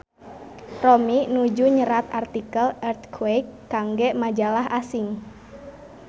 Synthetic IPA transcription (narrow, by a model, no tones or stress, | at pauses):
rɔminud͡ʒuɲəɾat̪art̪ikəlɛrt̪̚kʰwɛjkːaŋɡɛʔmad͡ʒalaɦasiŋ